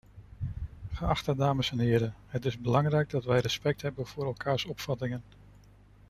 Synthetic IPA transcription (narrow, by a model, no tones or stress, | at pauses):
χəɑχtədaːməsɛnɦɪːɾəɦətɪzbəlɑŋrɛjɡ̚dɑtʋɛjrəspɛk̚tɦɛbənv̥ʊːɾɛlˠkaːɹsɔpfɑtɪŋən